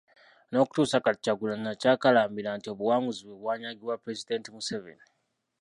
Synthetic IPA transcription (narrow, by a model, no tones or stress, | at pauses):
no̞ːku̥tuːsakacːaɡulanacaːkalaːmbilantio̞βuwaːmuziβweβwaːɲaɡilwapɾe̞zide̞ːntimusevḛni